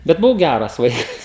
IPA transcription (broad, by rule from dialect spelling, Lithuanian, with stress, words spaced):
bʲɛt bʊˈʋɐʊ ˈɡʲærɐs ˈʋɐɪkɐs